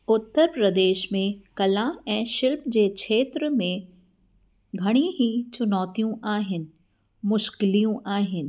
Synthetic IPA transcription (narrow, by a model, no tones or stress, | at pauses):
ʊt̪ːəɾpɾɐd̪eːʃmẽkɐlaɛ̃ːʃɪlpd͡ʑeːkʃʰeːt̪ɾəmẽ | ɡʱɐɽ̃iɦit͡ɕʊnɔːt̪ijũʔaːɦɪnɪ̆ | mʊʃkɪlijũʔaːɦɪnɪ̆